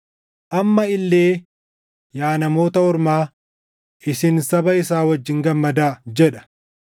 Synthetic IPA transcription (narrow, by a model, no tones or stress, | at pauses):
ʔɐmːɐɪlːeː | jaːnɐmo̞ːt̪ɐɔɾmaː | ʔɪsɪnsɐbɐɪsaːwɐd͡ʒːɪŋɡɐmːɐd̪aːd͡ʒɛᶑɐ̥